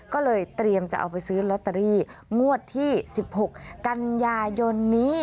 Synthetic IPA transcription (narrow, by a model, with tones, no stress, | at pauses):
kɔː˥˩lɤː˧jt̪ɾi˧əmt͡ɕa˧˩ʔa̰˧˩wpa˧jsɯː˦˥lɔ˧˦˥t̪ːa˧ɾiː˧˥˩ŋu˥˩ət̪ʰːiː˥˩si˨˩p̚ho˨˩k̚ːa˧njaː˧jo˧nːiː˦˥